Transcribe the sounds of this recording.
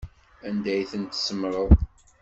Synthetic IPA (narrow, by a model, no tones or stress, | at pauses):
ænd̪æjθənt̪səmɾˤəð